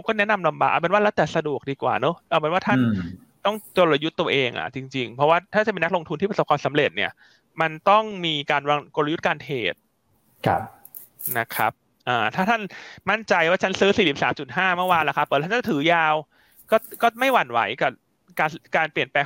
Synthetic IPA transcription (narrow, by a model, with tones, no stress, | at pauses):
wkɔː˥˩nɛ˦˥na˧mla˧mba̰ː˨˩ʔ̚a̰˨˩pnwaː˥˩lɛː˦˥wt̪ɛː˨˩sa˧du˨˩ək̚diː˧kwa̰ː˨˩no˦˥ʔaː˨˩peː˧nwaː˥˩t̪ʰa˥n | t̪ɔ˥˩ŋt͡ɕo˧la˧ju˦˥t̪ːu˧ɐ˧ʔeː˧ŋʔa̰˨˩t͡ɕi˧ŋt͡ɕi˧ŋpʰɔ˦˥waː˥˩t̪ʰaː˥˩t͡ɕa˨˩pe˧na˦˥k̚lo˧ŋt̪ʰu˧t̪ʰiː˥˩pso˨˩kʰwaː˧msa˩˦mle˨˩t̪̚nḭ˦˥˩ɐ | ma˧nt̪ɔ˥˩ŋmiː˧kaː˧nwaː˧ŋko˧la˧ju˦˥t̪̚kaː˧nt̪ʰḛː˨˩t̪̚ʰ | na˦˥kʰa̰˦˥p̚ | ʔaː˨˩t̪ʰaː˥˩t̪ʰa˥˩nma˥˩nt͡ɕa˧jwaː˥˩t͡ɕʰa˦˥nsɯː˦˥siː˨˩si˨˩p̚saː˩˦mt͡ɕu˨˩t̪̚ɦaː˥˩mɯ˥˩waː˧nla˨˩kʰa˦˥pːt̪̚ʰːt̪ʰɯː˩˦jaː˧w | kɔː˥˩kɔː˥˩ma˥˩jwa˨˩nwa̰˩˦jka˨˩ | kaː˧kaː˧npli˨˩ənpɛː˧